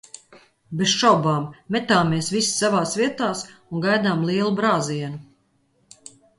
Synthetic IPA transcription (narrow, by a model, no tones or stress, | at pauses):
besʃɔwbaːmːɛt̪aːmːeːsvissavaːsviɛt̪aːsuŋɡajd̪aːmlˠiɛlˠubɾaːziɛnu